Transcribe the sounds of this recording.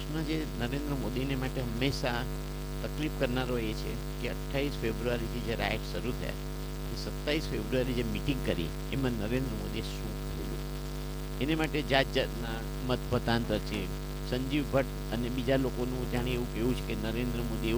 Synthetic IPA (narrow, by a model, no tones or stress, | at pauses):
ʃmãd͡ʒenəɾend̪ɾəmod̪inemaʈeɦəmːeʃa | t̪əklifkəɾnaɾoet͡ʃʰe | keəʈʰːaʋisfebɾuaɾit̪ʰid͡ʒeɾa̰ʈʃəɾut̪ʰə̰ja̰ | esət̪ːaisfebɾuaɾid͡ʒemiʈĩŋɡkəɾḭḛːmãnəɾend̪ɾəmod̪ieʃũkəɾḛd͡ʒṵ | enemaʈed͡ʒad͡ʒət̪na | mət̪bʱət̪ant̪əɾt͡ʃʰe | səɲd͡ʒiʋbʱəʈ | əneɓid͡ʒalokonũd͡ʒaɽ̃eeʋũkeʋũt͡ʃʰekenəɾend̪ɾəmod̪ie